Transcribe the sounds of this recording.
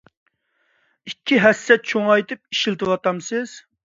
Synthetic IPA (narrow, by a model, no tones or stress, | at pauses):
ikʲʰːiɦɛsːɛt̪̚t͡ʃʰoŋɑjt̪ɨp̚iʃilt̪ʰɨwɑt̪ɑmsɪz̥